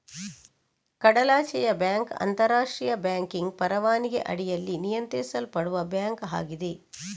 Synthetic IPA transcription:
kɐɽɐlaːt͡ʃɛjɐbjaːŋkɐ̰nt̪ɐɾaːʂʈɾijɐbjaːŋkiŋɡpɐɾɐʋaːniɡḛʔɐ̰ɽijɐlːinijɐnt̪ɾɛːsɐlpɐɽuʋɐbjaːŋkɦa̰ːɡid̪e

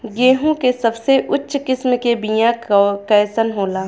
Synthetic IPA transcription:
ɡeːɦõkesɐbseʔʊtːʃkɪsmkebijãkɛːsənɦoːlaː

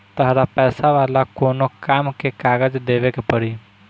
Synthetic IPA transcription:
t̪əɦɾapɛːsaʋaːlakoːnokaːmkekaːɡəd͡ʒd̪eːʋekepəɾi

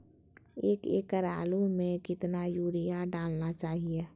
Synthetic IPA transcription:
eːkḛːkːəɾaːlumẽkɪt̪najuːɾijaɖaːlnat͡ʃaːɦie

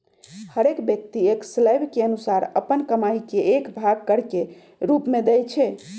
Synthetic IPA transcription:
həɾekbjək̚t̪iekslajbʱkeənusaɾə̰pənkəmaikeʔekbʱaɡ̚kəɾke | ɾupmed̪ɛjt͡ʃʰɛ

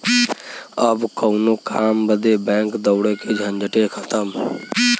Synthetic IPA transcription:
əbkəʊnokaːmbəd̪ebɛ̃ːŋkd̪əʊɽeked͡ʒʱənd͡ʒəʈekʰə̥t̪əm

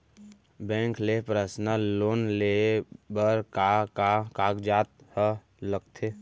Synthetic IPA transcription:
bɛ̃ŋklepɾasnaloːnlebəɾkakakaɡd͡ʒat̪̚hə | ləɡ̚t̪ʰe

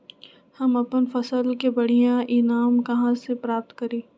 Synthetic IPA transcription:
hɐmɐpənfɐsəlkebɐɽ̤ijãʔɪnaːmkɐɦãsepɾaːp̚t̪kɐɾeː

